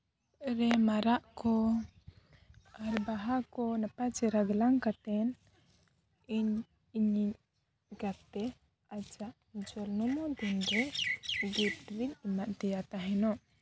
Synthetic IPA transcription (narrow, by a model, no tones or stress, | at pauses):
ɾɛmaɾaʔkɔ | aɾbaɦakɔnapat͡ʃɛɾaɡlaŋkat̪ɛn | iɲ | iɲi | ɡat̪ɛ | ad͡ʒaʔ | d͡ʒɔlnɔmɔd̪indɔɡit̚d̪bilimaʔ̪t̪ɛjat̪aɦɛnɔ